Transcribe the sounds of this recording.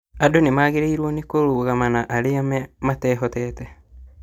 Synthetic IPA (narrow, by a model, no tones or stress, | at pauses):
adonimaːɣeɾeiɾwonikoluɣamanaʔaleammateːɦɔtete